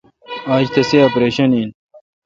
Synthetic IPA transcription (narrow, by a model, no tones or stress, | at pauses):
aːd͡ʑt̪ɐseɐpɾeːɕɐniːn